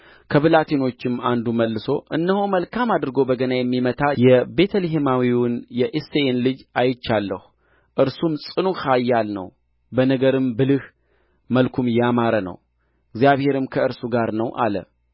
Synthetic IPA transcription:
kʰəβɨlat̪ʰeno̞t͡ʃːɪmand̪uməlːɨso̞ʔɨ̰nːəhuməlkʰamad̪ɨɾɡo̞bəɡənajɛmːimət̪ʰajɛbe̞t̪ʰəliɦemawiwʊnjɛʔisːeenlɨd͡ʒajɪt͡ʃːalːəhu | ʔɨɾsumsʼɨnuhajːalnə̰w | bənəɡəɾɨmbɨlɨh | məlkʰumjamaɾənə̰w | ɪɡzjaβhe̞ɾɨmkʰəɨɾsuɡaɾnəwʔa̰lə̰

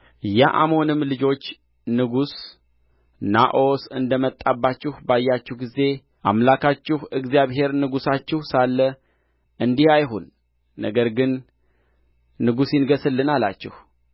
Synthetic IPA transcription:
jaʔa̰mo̞nɨmːlɨd͡ʒo̞t͡ʃː | nɨɡus | naʔo̞sɨnd̪əmət̪ʼːabːat͡ʃːɪhbajːat͡ʃːɪhɡize̞ | ʔa̰mlakʰat͡ʃːɪhɨɡzijaβɦe̞ɾnɨɡusat͡ʃːɪhsalːə | ʔɨnd̪ihajɦonː | ə̰ɡəɾɡɨn | ɨɡusɪnɡəsɨlːɨnala̰t͡ʃːɪ̰h

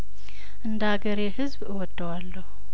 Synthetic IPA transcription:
ʔɨnd̪aɡəɾehɨzbɨwɔd̪ːəwalːəhu

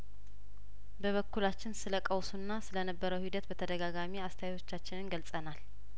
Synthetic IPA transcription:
bəβəkːulat͡ʃːɪnsɨləkʼəwsunːasɨlənəbːəɾəwhid̪ət̪bət̪ʰəd̪əɡaɡamiast̪ʰəjao̞t͡ʃːat͡ʃːɪnɨnɡəlsʼənal

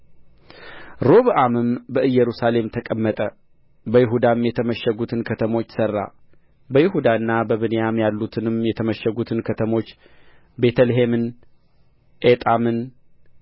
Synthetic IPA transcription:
ɾo̞βʔamɨmbəʔɨjːɛɾusale̞mt̪ʰəkʼəmːət̪ʼə | bəjɪɦud̪amjɛt̪ʰəməʃːɛɡut̪ʰɨnkʰət̪ʰəmo̞t͡ʃːsərːa̰ | bəjɪɦud̪aɨnːabəβɨnejamjalːut̪ʰɨnɨmjɛt̪ʰəməʃːɛɡut̪ʰɨnkʰət̪ʰəmo̞t͡ʃː | be̞t̪ʰəlɦe̞mɨn | ʔet̪ʼamɨn

